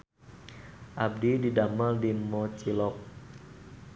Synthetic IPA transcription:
ʔab̚dididaməldimɔt͡ʃilɔk̚

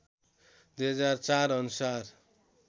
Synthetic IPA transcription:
d̪ujɦʌd͡zart͡saɾʌnusar

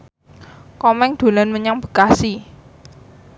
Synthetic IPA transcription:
kɔmɛŋd̪̥o̤lanməɲaŋb̥ə̥̤kasi

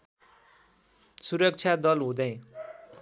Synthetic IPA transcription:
suɾʌk̚t͡sʰjad̪ʌlɦũd̪ʌj̃

